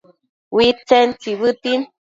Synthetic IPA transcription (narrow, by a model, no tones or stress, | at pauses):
wit͡sɛnt͡siβɨtin